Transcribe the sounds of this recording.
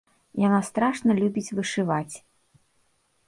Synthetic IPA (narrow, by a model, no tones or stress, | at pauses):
janast̪ɾaʂnɐlʲubʲit͡sʲvɨʂɨvat͡sʲ